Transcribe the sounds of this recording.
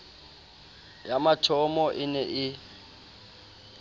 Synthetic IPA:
jamatʰɔmɔʔɪnɛʔɪ

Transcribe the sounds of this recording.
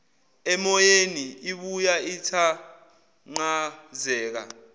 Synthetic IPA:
ɛmɔjeniiɓujaitʰa | ŋ͡ǃazɛːk̬a̰

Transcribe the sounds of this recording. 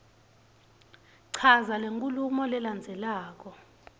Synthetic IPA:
ǀʰazaleŋkʼulumɔlɛland͡zʱɛlaːk̬ɔ

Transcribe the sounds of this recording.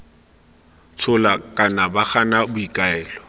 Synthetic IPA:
t͡sʰʊlakʼanabaχanabʊikʼaɛːlɔ

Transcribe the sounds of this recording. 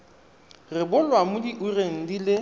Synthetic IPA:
rɪbʊlwamʊdiʔureŋ̩dilɪ

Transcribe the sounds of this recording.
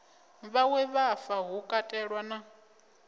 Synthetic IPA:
βawɛβafaɦukʼatʼɛɺwana

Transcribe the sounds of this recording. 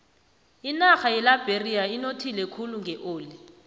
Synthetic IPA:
inaxajɛlab̥ʱeriainotʰilɛkʰuluŋɡʱɛʔoːli

